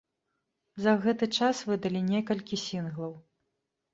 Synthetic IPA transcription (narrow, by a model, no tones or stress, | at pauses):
zɐɣɛt̪ɨt͡ʂasvɨd̪ɐlʲinʲɛkɐlʲkʲisʲinɣlˠɐw